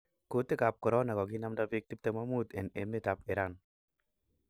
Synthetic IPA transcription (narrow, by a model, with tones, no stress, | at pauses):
ko˨t̪e˦ka˨p̚kɔ˨ɾɔ˦na˨kɔ˨ɡɪ˦na˦mda˦pɪ˦k̚t̪i˦p̚t̪e˦ma˦mu˦t̪e˨ne˨me˦t̪a˨pɪ˨ɾa˦˨n